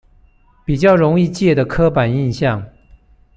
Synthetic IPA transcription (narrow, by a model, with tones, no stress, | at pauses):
pi˨˩t͡ɕjɑ˥˩ʊɻʊ˧˥ŋi˥˧t͡ɕjɛ˥˩d̪ə˩kʰɤ˥pa˨˩ni˥˧nɕjɑ˥˩ŋ